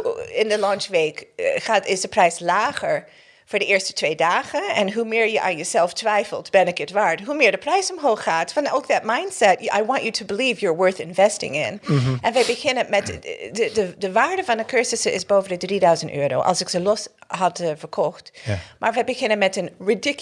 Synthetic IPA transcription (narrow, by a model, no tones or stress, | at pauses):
ɪ̃ndəlɑnt͡ʃʋekχaːtɪsdəprɛjslaːχəɹ | v̥ʊːɹdəɪːɹstə̥tʰʋeɪdaːχəɛnɦumɪːɹjəʔaːnjəzɛlˠftʋɛjfəlˠtb̥ɛnɪkətʋaːɹdəɦumɪːɹdəprɛjsɔmɦoːχːaːtfɑ̃noʊk̚dɑt̚mãj̃ntsɛtʔa̰jwɑ̃nt͡ʃutʰubəliːvjəɹwɜɹθɪ̃nvɛstɪ̰̃ŋɪ̰̃nʔɛ̃nʋɛjbəχɪnənmɛtədədəʋaːɹdəvɑ̃ndəkʰɜɹsəsəʔɪzboːvəndədridaɥzə̃ntøːɾo̰ʊʔɑ̰lˠsɪkz̥əlɔsɦɑtəfəɹkʰɔχtmʔaːɹʋɛjbəχɪnə̃nmɛtənɹɪdɪk